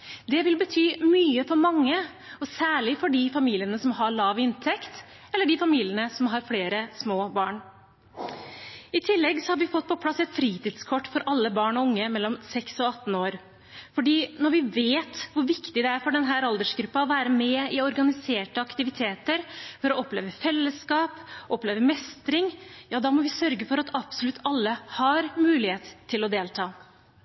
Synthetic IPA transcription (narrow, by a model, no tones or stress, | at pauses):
d̪ɛʋɪlbət̪ʰyːmyːəfɔɾmɑŋːə | ɔsæːɭɪfɔɖiːfɑmiːlɪənəsɔmɦɑɭɑːʋɪnt̪ʰɛkt̪ | ɛlːəɖɪfɑmiːlɪənəsɔmɦɑɾfleːɾəsmoːbɑːɳ | ɪt̪ʰɪlːɛɡsɔhɑɾʋɪfɔt̪̚ːpʰɔpʰlɑsɛt̪fɾiːt̪ɪd̪skʰɔʈːfɔɾʔɑlːəbɑːɳɔʊŋːəmɛlːɔmsɛksɔɑt̪ːn̩oːɾ | fɔɖiːnɔɾʋɪʋeːt̪ʋʊɾʋɪkt̪ɪd̪ɛæɾfɔɖɛnɦæːɾɑld̪əʂɡɾʉpːɑɔʋæːɾəmɛɪɔɾɡɑnɪseːʈəɑkt̪ɪʋɪt̪ʰeːt̪əɾfɔɾɔɔpleːʋəfɛlːəskɑːpʔɔpleːʋəmɛst̪ɾɪŋjɑːd̪ɑːmɔʋɪsœɾɡəfɔɾɑt̪ɑpsɔlʉt̪ːɑlːəhɑɾmʉːlɪheːt̪t̪ʰːɪlɔd̪eːlt̪ʰɑː